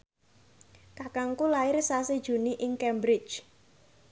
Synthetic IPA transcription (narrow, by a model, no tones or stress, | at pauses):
kakaŋkulaɪrsased̥ʒ̥ṳniʔɪŋkɛmbɾɪ̥t͡ʃ